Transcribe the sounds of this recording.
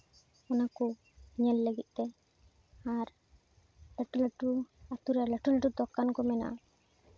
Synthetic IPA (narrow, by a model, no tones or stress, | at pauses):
ɔnakɔ | ɲɛlːəɡit̪̚ˀt̪ɛ | aɾ | ləʈuləʈuat̪uɾaɾləʈuləʈud̪ɔkːankɔmɛna̰ʔ